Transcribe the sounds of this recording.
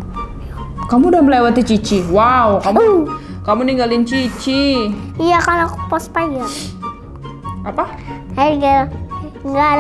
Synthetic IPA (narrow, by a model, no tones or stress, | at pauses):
kamudahməlewat̪it͡ʃit͡ʃiwaukamu | kamuniŋɡalint͡ʃit͡ʃiijakalakpɔspaɲa | apa | aa | ŋɡa